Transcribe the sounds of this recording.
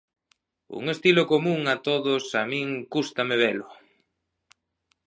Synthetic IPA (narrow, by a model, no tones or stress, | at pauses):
ṵŋest̪ilokomũŋat̪oðosamĩŋkust̪ameβɛlʊ